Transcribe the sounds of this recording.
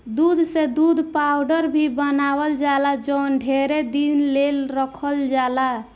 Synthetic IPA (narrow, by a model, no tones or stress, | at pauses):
d̪ud̪ʱsẽd̪ud̪ʱpawɖəɾbʱibənabəld͡ʒalad͡ʒənɖʱeɾed̪inlelɾəkʰəld͡ʒala